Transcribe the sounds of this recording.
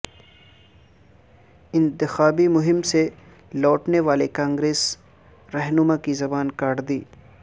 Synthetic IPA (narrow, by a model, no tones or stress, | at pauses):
ɪ̃nt̪ɪxaːbimʊɦɪmse | lɔːʈneʋaːlekãːŋɡɾeːs | ɾɛɦnʊmakizɐbaːnkaːɽd̪iː